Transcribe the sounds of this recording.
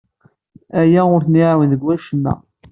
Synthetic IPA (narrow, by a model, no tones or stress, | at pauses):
æjæʊɾθniʕwənðəɡwæʃəmːæ̰